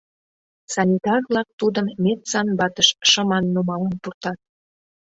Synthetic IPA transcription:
sɑnʲit̪ɑrβlɑk̚t̪ud̪əmːet̪sɑnbɑt̪əʃʃəmɑnːumɑlɑnpurt̪ɑt̪̚

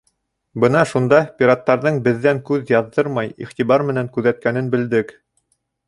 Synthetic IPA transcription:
bɤnɑʃund̪ɑpʲiɾat̪ːɑɾðɤɴbɘ̆ðːæŋkʉðjɑðːɤɾmɑjḭχt̪iβɑɾmɘ̆næŋkʉðæt̪̚kænɘnbɘ̆ld̪ɘk

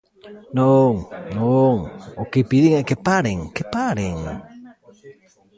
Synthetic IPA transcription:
noŋnoŋokipiðiŋakepaɾeŋkepaɾeŋ

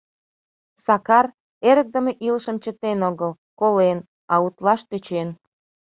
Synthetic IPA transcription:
sɑkɑr | eɾək̚d̪əmeʔiləʃəmt͡ɕət̪enoɣəl | kolen | ɑut̪lɑʃt̪øt͡ɕen

